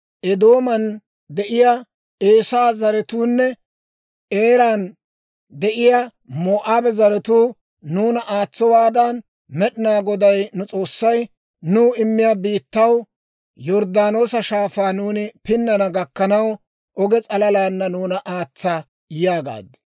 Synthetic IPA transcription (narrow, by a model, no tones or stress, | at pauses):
ʔɛd̪o̞ːmɐn | d̪ɛʔɪja | eːsaːzɐɾɛt̪uːnːɛ | eːɾan | d̪ɛʔɪja | moːʔaːbɛzɐɾɛt̪uː | nuːnɐʔaːt͡sːɔwaːd̪ɐn | mɛɗɪnaːɡɔd̪ɐjnʊt͡sʼo̞ːsːɐj | nuːɪmːɪjaːbiːt̪ːɐw | jɔɾd̪aːno̞ːsɐʃaːfaːnuːnɪpɪnːɐnɐɡɐkːɐnɐw | ʔɔɡɛt͡sʼɐlɐlaːnːɐnuːnɐʔaːt͡sːɐ | jaːɡa̰ːd̪ɪ